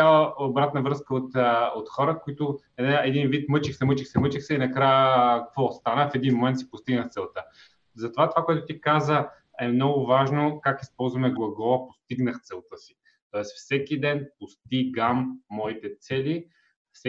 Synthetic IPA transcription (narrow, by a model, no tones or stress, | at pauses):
aəobɾat̪nəvɾɤskəot̪əot̪xɔɾəkoit̪ʊ | ɛd̪ɛɛd̪invit̪mɤt͡ʃixsɛmɤt͡ʃixsɛmɤt͡ʃixsɛinɐkɾajəkɐkvɔst̪anəfɛd̪inmomɛnt̪si̥pʊst̪iɡnəxt̪sɛlˠt̪ə | zɐt̪ovat̪ovakoʊɛt̪ʊt̪ikazə | ɛmnɔɡʊvaʒnokakispɔlˠzvɐmɛɡlˠɐɡˠɔpost̪iɡnəxt̪sɛlˠt̪ɤsi̥ | t̪ɔɛsfsɛkid̪ɛnpʊst̪iɡamːɔit̪ɛt̪sɛli | fsɛ